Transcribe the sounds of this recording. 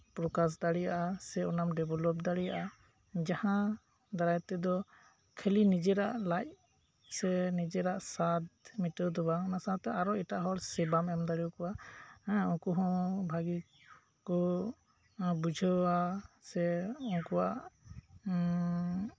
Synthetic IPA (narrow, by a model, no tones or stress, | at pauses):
pɾɔkas̬d̪aɽijaʔasɛɔnamɖɛbʱɔlɔp̚d̪aɽija̰ʔa | d͡ʒahã | d̪aɾajt̪ɛd̪ɔ | kʰelinid͡ʒɛɾaʔlac̚ | sɛnid͡ʒɛɾaʔsat̪̚miʈəd̪ɔbaɔnasaat̪ɛaɾɔiʈaʔɦɔɾsɛbamɛmd̪aɽikɔwa | ɔkɔɦɔ̃bʱaɡi | kɔ | bud͡ʒʱəasɛɔnkɔwaʔ